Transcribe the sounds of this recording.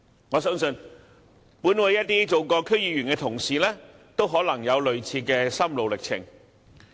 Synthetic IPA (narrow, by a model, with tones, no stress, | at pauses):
ŋɔː˨˧sœː˥ŋsɵ˧n | puː˨˥nwɐ˨˧jɐ˥t̪̚ːiː˥t͡so˨wkɔː˧kʰɵ˥ɥjiː˨˧ɥyː˨˩nkɛː˧t̪ʰʊ˨˩ŋsiː˨lɛː˥ | t̪o˥wɦɔː˨˥lɐ˨˩ŋjɐ˨˧wlɵ˨˧ɥt͡sʰiː˧kɛː˧sɐ˥mlo˨˧wlɪ˨k̚t͡sʰɪ̰˨˩ŋ